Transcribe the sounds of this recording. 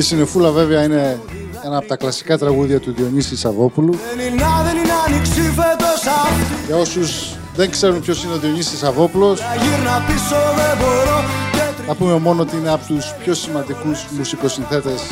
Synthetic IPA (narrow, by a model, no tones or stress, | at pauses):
esine̞fulɐve̞veɐine̞ | enɐːpot̪ɐklɐsi̥kɐt̪ɾɐɣuðiɐt̪uðio̞ɲisisɐvo̞puluninːɐðeninɐniksifet̪osɐʝɐo̞suz | ðe̞ŋkse̞ɾumpço̞sineoðioɲisisɐvo̞pulo̞sʝiɾnɐpisoðeboɾoceθɐpume̞mo̞noot̪iineɐpot̪uspço̞simɐnd̪ikuzmusiko̞sinθe̞t̪e̞s